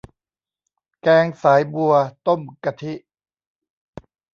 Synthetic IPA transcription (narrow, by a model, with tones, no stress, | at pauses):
kɛː˧ŋsaː˩˦jbu˧ɐt̪o˥˩mka˧t̪ʰi˦˥ʔ